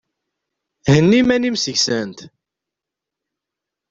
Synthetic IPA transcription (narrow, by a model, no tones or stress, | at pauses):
hənːimænimsəʝsænt̪